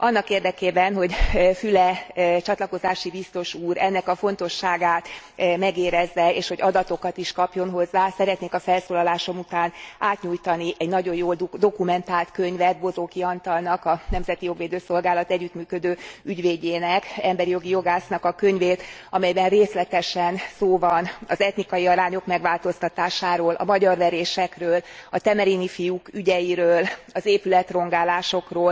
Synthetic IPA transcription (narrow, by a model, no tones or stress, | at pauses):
ʔɒnːɒkeːrd̪ɛkeːbɛnɦo̞ɟfylɛt͡ʃɒt̪lɒko̞zaːʃibist̪o̞ʃuːɾɛnːɛkɒfo̞nt̪o̞ʃːaːɡaːt̪ | mɛɡeːɾɛzːɛeːʃho̞ɟɒd̪ɒt̪o̞kɒt̪iʃkɒpjo̞nɦo̞zːaːsɛɾɛt̪neːkɒfɛlsoːlɒlaːʃo̞mut̪aːnʔaːt̪ɲuːjt̪ɒniʔɛɟnɒɟo̞joːld̪o̞kumɛnt̪aːlt̪kø̞ɲvɛt̪bo̞zoːkiɒnt̪ɒlnɒkɒnɛmzɛt̪ijo̞ɡʋeːd̪øːso̞lɡaːlɒt̪ɛɟːyt̪myːkø̞d̪øːyɟveːɟeːnɛkɛmbɛɾijo̞ɡijo̞ɡaːsnɒkɒkø̞ɲveːt̪ɒmɛjbɛnreːslɛt̪ɛʃɛnsoːvɒnɒzɛt̪nikɒjiɒɾaːɲo̞kmɛɡʋaːlt̪o̞st̪ɒt̪aːʃaːɾoːlʔɒ̰mɒɟɒrvɛɾeːʃɛkrøːlɒt̪ɛmɛɾinifijukyɟɛjiɾøːlɒzeːpylɛt̪ro̞ŋɡaːlaːʃo̞kroːl